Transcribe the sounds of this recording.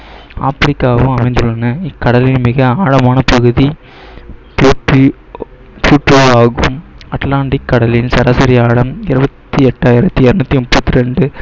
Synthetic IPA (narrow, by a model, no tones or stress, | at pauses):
a̰ːpɾɪkːaːʋɯ̃ɐmɐɪnd̪ɯɭːɐnːɯɪkːɐɽɐlinmɪɣɐaːɻɐmaːnɐpɐɣɯði | pːʈ | pjuːʈɾiaːɣɯ̰̃mɐʈlaːɳɖɪkːɐɽɐliːnsɐɾaːsɐɾɪjaːɻɐmɪɾɯbɐt̪ːiɛʈːaːjɪɾɐt̪ːiɛɾɯnɐt̪ːimʊpːɐt̪ːiɾɛɳɖɯ